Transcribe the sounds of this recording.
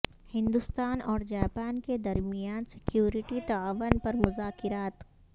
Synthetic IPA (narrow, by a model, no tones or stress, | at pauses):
hɪ̃nd̪ʊst̪aːnɔːɾd͡ʒaːpaːnked̪ɐɾmijaːnsɪ̥kjuːɾɪʈit̪ɐaːʋənpɐɾmʊzaːkɪɾaːt̪